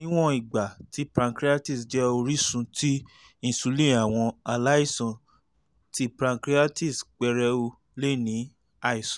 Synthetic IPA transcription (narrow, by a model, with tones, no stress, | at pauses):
ĩ˦w̃ɔ̃˦i˨ɡ͡ba˨ti˨˦pɾã˧kɾi˦a˦ti˦˨sd͡ʒɛ˦o˧ɾi˦sũ˧tʰi˦ | ĩ˨su˨˧lĩ˦˨a˨w̃ɔ̃˧a˧la˦i˦˨sɔ̃˨ | ti˦pɾã˧ŋkɾi˦a˦ti˦˨sk͡pɛ˧ɾɛ˧˦o˧ | le˦˨nĩ˨˦ | a˧i˦˨sɔ̃˨